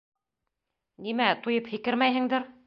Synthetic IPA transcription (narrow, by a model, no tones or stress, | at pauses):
nimæt̪ujɤphɘ̆kɘɾmæjɦɘ̆ŋd̪ɘɾ